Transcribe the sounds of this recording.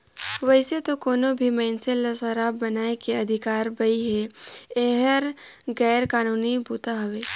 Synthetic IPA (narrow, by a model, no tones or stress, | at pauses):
ʋɐɦɪset̪okɔːnobʱimɛːnselɐsaɾaːbːɐnaːekeɐd̪ʱɪkaːɾbɐiɦeeɦəɾ | ɣɛːɾkaːnuːnibʱuːt̪aɦɐʋeː